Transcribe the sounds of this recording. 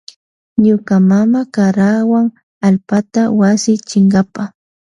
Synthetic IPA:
ɲʊkamamakaɾawaŋ | alpat̪awasɪt͡ʃɪŋɡapa

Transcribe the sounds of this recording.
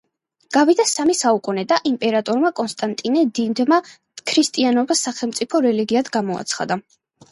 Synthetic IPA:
ɡ̥avid̪asamisaukʼunɛd̪aʔimpʼɛɾat̪ʼɔɾmakʼɔnst̪ʼant̪ʼinɛd̪ind̪ma | kʰɾist̪ʼianɔbasːaχɛlˠmt̪sʼipʰɔɾɛliɡiad̪ɡamɔa̰t̪sʰχa̰d̪a

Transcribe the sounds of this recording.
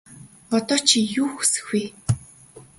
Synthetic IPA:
ɔt̪ɔːt͡ɕʰijuːxu̥sɘ̥̆xwiː

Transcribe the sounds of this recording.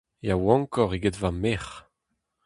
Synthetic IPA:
jawɑ̃ŋkɔʁiɡedvameχ

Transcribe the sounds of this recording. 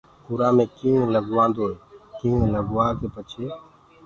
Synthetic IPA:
puɾaːmẽːkĩːləɡʋãːnd̪oːeːkĩːləɡʋaːkeːpət͡ʃʰeː

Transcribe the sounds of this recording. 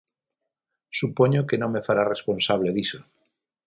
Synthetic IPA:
supoɲokenõŋmefaɾarespõnsaβleðiso

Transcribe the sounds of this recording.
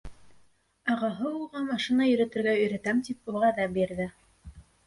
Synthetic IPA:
ɑʁɑɦɤulˠʁɑmɑʃinɑjɵ̆ɾɘ̆t̪ɘ̆ɾɡæɵ̆jɾæ̆t̪æmt̪ipulˠʁɑðɑbiɾðɘ

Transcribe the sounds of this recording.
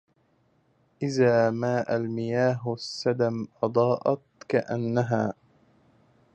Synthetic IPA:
ʔɪðaːmaːʔalmɪjaːɦsːad̪amʔɑd̪ˤɑːʔɑ̰t̪̚kaʔanːaɦaː

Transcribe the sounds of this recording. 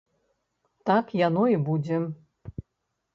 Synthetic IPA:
t̪akjanɔibud͡zʲɛ

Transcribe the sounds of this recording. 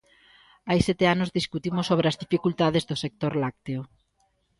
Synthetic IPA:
ajsɛt̪eanʊzðiskut̪imʊsoβ̞ɾeazðifikult̪að̞ezðʊsek̚t̪oɾlak̚t̪eo

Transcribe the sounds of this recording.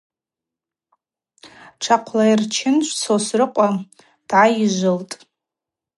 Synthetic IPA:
ʈ͡ʂʰaqʷʰlairt͡ʃʰɪnʃʷʰt͡sʰosrɨqʷʼa | d̥ʕaiʒʷɨltʼ

